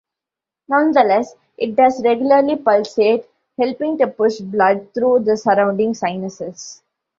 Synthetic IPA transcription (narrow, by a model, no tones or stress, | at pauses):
nʌ̃nd̪əlɛs | ʔɪʈ̚ɖʌzɾeɡjʊləɾlipʌlseːʈ | hɛlpɪ̃ŋʈupʊʃblʌɖ̚t̪ʰɾuːd̪əsəɾãʊ̃ɳɖɪ̃ŋsãɪnəsɪs